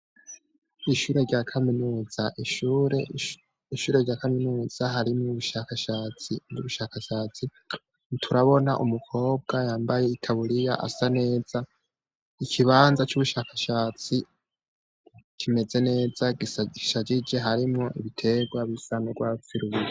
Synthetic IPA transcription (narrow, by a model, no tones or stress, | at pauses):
iʃuːɾe̞ɾɟaːkʰaminuːz̥aʔɾe | iʃuːɾe̞ɾɟaːkaminuːz̥aɦaɾimŋuβuʃakaʃaːt͡sinuβuʃakaʃaːt͡si | tʰuɾaβo̞naʔumukʰo̞ːb̚ɡ̥ajaːmbaje̞itʰaβuɾijaʔa̰sane̞ːz̥a | ikʰiβaːnzat͡ʃuβuʃaːkḁʃaːt͡si | kʰime̞ze̞ne̞ːzaɡiiʃad͡ʒid͡ʒe̞ɦaɾimŋoʔḭβitʰe̞ɡwaβisanoɡwaːt͡siɾuβuɾa